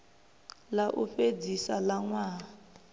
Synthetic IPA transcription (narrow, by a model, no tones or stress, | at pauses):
laʔuɸed͡zisalaŋwaː